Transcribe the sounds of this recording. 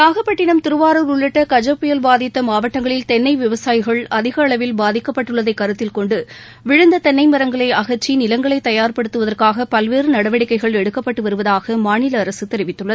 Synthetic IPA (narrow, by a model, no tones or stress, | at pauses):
aːɣɐpːɐʈːɪnɐmt̪ɪɾɯʋaːɾɐɾʊɭːɪʈːɐkɐd͡ʒɐpːʊjɐlbaːðɪt̪ːɐmaːʋɐʈːɐŋɡɐɭɪlt̪ɛnːɐɪʋɪʋɐsaːjɪɣɐɭɐðɪɣɐːɭɐʋɪlbaːðɪkːɐpːɐʈːɯɭːɐðɐɪkːɐɾɯt̪ːɪlkɔɳɖɯ | ʋɪɻɯnd̪ɐt̪ɛnːɐɪmɐɾɐŋɡɐɭɐɪɐɣɐɾt͡ʃːinɪlɐŋɡɐɭɐɪt̪ɐjaːɾpɐɽɯt̪ːɯʋɐðɐrkaːɣɐpɐlʋeːɾɯnɐɽɐʋɐɽɪkːɐɪɣɐɭɛɽɯkːɐpːɐʈːɯʋɐɾɯʋɐðaːɣɐmaːɳɪlɐːɾɐsɯt̪ɛɾɪʋɪt̪ːɯɭːɐð